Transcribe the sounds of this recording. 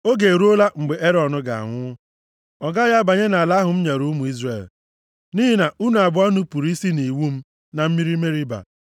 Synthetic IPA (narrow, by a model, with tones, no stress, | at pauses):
o˦ɡe˨ɾu˦o˦la˦ŋ͡m̩˨ɡ͡be˨ʔe˦ɾɔ˨nʊ˦ɡa̰˨a̰˨ŋʷʊ˦ | ɔ˨ɡa˦ja˦ba˨ɲe˦na˨la˦ɦʊ˨m̩˦ɲe˨ɾu˦mu˨i˦zre˨l | niː˦ɦi˦na˨ʔu˦nu˨a˨bʊ˦a˦nu˦pu˨ɾi˦si˦ni˨wu˦m̩˦ | na˨m̩˦mi˦ɾi˦me˦ɾi˦ba̰˨